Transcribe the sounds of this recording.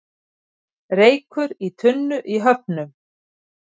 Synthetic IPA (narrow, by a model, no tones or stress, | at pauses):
ɾeːjkʏɾit̪ʰʏnːʏʔiɦœp̚nʏm